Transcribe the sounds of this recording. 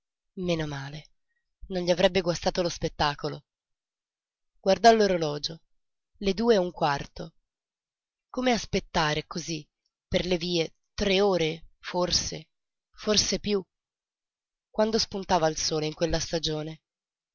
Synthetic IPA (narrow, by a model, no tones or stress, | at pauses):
menomaːle | nonʎiavɾɛbːeɡwast̪aːt̪olospet̪ːaːkolo | ɡ̥ward̪alːoɾolɔːd͡ʒo | led̪uːeuŋkwart̪o | komeaspet̪ːaːɾekozi | perleviːe | t̪ɾeoːɾeforse | forsepju | kwand̪ospunt̪aːvailsoːleiŋkwelːast̪ad͡ʒoːne